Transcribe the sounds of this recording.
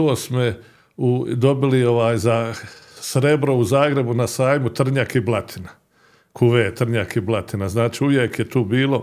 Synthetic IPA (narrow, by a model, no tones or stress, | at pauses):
oːsmo | ud̪o̞bilioʋaːjzasɾe̞bɾo̞uzaːɡɾe̞bunasaːjmut̪r̩ɲakiblˠat̪ʰina | kʰuʋet̪r̩ɲakiblˠat̪inaznaːt͡ʃiuʋjekjet̪uːbiːlˠo̞